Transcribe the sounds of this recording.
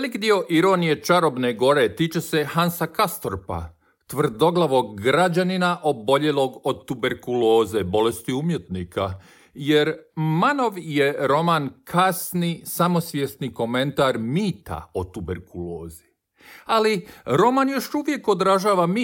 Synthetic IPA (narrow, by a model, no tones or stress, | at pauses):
elikd̪io̞ʔiɾo̞nije̞t͡ʃaɾo̞bne̞ɡo̞ɾe̞t̪iːt͡ʃe̞se̞hansakast̪oɾpa̰ | t̪ʋr̩d̪o̞ɡlˠaʋo̞ɡːɾad͡ʑaninaʔo̞bo̞ʎe̞lo̞ɡo̞d̪t̪ube̞ɾkulo̞ːzebo̞le̞st̪iumje̞t̪nikʰa | je̞ɾmano̞ʋje̞ɾo̞mankʰasnisamo̞sʋjest̪niko̞me̞nt̪aɾmiːt̪a̰ot̪ubeɾkulo̞ːzi | aliɾo̞manjo̞ʃuʋje̞ko̞d̪ɾaʒaːʋami